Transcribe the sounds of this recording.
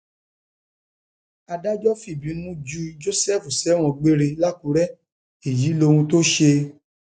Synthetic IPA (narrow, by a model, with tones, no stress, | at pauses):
a˧da˦d͡ʒɔ˦fi˦˨bi˨˦nũ˦d͡ʒu˧d͡ʒo˦sɛ˦˨fu˨sɛ˨˦w̃ɔ̃˧ɡ͡be˦ɾe˧la˦kũ˧˦ɾɛ˦ | e˨ji˨˦lo˧ũ˧to˦ʃe˧